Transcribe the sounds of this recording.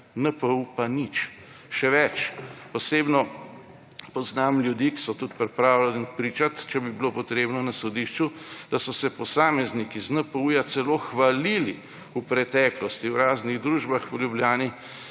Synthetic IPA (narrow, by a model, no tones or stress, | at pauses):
nəpəupanit͡ʃ | ʃɛʋɛt͡ʃpɔsebnɔ | pɔznamljud̪iːki̥sɔt̪ut̪pɾɛpɾaːwlɛnpɾiːt͡ʃat̪t͡ʃɛbibilopɔt̪ɾeːbnɔnasɔd̪iʃt͡ʃud̪̥asɔsɛpɔsaːmɛznikiznəpəujat̪sɛloxʋalili | upɾɛt̪ɛːklɔst̪iwɾaːzniɣd̪ɾuːʒbaxljubljaːni